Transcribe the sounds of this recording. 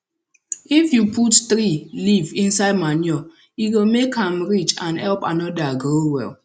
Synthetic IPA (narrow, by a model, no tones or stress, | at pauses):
ifjupʰuttɾilivĩnsaɪd̚manjɔ | iwilmekhãmɹit͡ʃãnhɛlpanɔdaɡɾowɛ̰lˠ